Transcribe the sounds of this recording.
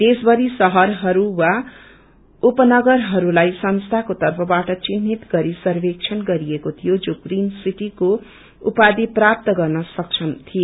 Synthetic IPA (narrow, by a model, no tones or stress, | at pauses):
d̪esbʌɾisʌɦʌɾɦʌɾuwa | upʌnʌɡʌrɦʌɾulajsʌnst̪ʰakot̪ʌrpʰʌbaʈʌt͡sinːit̪ɡʌɾisʌrbek̚t͡sʰʌnɡʌɾiekot̪ʰijod͡zokrinsiʈiko | upad̪iprap̚t̪ʌɡʌrnʌsʌk̚t͡sʰʌnt̪ʰio